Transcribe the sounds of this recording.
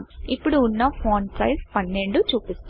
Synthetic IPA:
mipːuɽuːnːɐpʰoːnsɐjspɐnːe̞ɳɖut͡ʃuːpist̪

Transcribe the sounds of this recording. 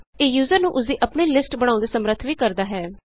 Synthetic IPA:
eːjuːzəɾnũːʔʊs̬d̪iːʔəpɳeːlɪsʈbəɽ̃ãːnd̪eːsəmɾət̪ʰʋiːkəɾd̪aːɦɛː

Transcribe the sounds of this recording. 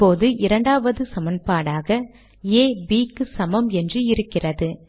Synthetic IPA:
oːðɯʔɪɾɐɳɖaːʋɐðɯsɐmɐnpaːɽaːɣɐ | eːbiːkːɯsɐmɐmɛndrɯɪɾɯkːɪrɐðɯ

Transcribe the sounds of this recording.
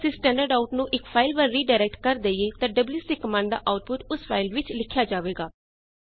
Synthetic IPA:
sisʈɛ̃ːɳɖəɾɖaːʊʈnũːʔɪkfʰaːɪlpəlɾiːɖaːɪɾɛːk̚ʈkəɾd̪eieːt̪ãːɖəbljuːsiːkəmãːɳɖd̪a̰ːʔaːʊʈ̚pʊʈʊsfʰaːɪlʋɪt͡ʃlɪkʰːjaːd͡ʒaːʋeːɡaː

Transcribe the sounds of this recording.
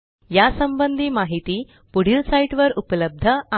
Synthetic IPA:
jasəmbənd̪ʱiːmaɦit̪iː | puɽ̤ilsaiʈʋəɾupləb̚d̪ʱəa

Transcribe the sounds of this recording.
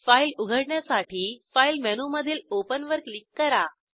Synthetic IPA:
failuɡʱəɽɳjasaʈʰiːfailmɛnuməd̪ʱiːlopənʋəɾklikːəɾa

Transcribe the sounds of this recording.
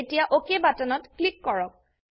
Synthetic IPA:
etijaʔokebatɔnɔtklikːɔɹɔk̚

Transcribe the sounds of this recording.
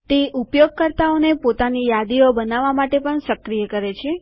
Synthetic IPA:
t̪eʔupjoɡ̚kəɾt̪aonepot̪anijad̪iobənaʋamaʈepəɳsəkɾijəkəɾet͡ʃʰe

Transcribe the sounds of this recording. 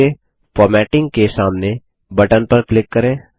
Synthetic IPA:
e | fɔːɾmɛːʈɪ̃ŋɡ̚kesaːmne | bɐʈənpɐɾklɪkːɐɾẽː

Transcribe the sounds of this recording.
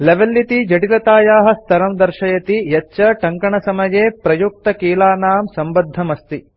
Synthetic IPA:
leʋɐlːit̪id͡ʒɐʈilɐt̪aːjaːɦɐ̆st̪ʰɐɾɐmd̪ɐɾʃɐjɐt̪ijɐːʃɐʈɐŋkɐɳɐsɐmɐjeːpɾɐjuk̚t̪ɐkiːlaːnaːmsɐmbɐd̪ʱːɐmɐst̪i

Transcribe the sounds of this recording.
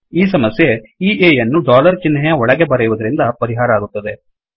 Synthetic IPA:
iːsɐmɐsjeiːʔeːjɐnːuɖaːlɐɾt͡ʃinːɦɛjɐɔɭɐɡebɐɾɛjʋud̪ɐɾind̪ɐpɐɾiɦaːɾɐaːɡut̪ːɐd̪e̞

